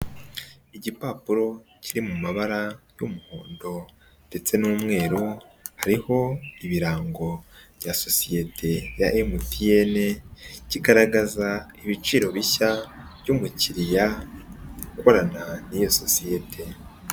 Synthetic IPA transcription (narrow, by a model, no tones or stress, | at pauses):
iɟipaːpuɾo̞ | cʰiɾimumaβaɾajumuho̰ːndo̞ | d̥e̞t͡se̞nuːmŋe̞ːɾuhaɾiho̞iβiɾaːŋɡo̞βjaso̞sije̞tʰe̞jaʔemutije̞ne̞ciɡaɾaɡazaiβit͡ʃiːɾo̞βiçaβjumuciɾija | kuko̞ɾananijoso̞sije̞tʰe̞